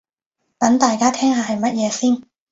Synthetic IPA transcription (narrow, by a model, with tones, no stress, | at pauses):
t̪ɐ˨˥ŋt̪aː˨jkaː˥t̪ʰɛː˥ŋɦaː˨˧hɐ˨jmɐ˥t̚jɛː˨˧siː˥n